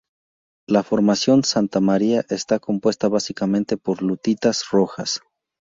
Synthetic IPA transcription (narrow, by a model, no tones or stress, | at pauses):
lafo̞ɾmasjo̞nsant̪amaɾiaʔe̞st̪ako̞mpwe̞st̪aβasikamẽ̞nt̪e̞po̞ɾlut̪it̪asroxas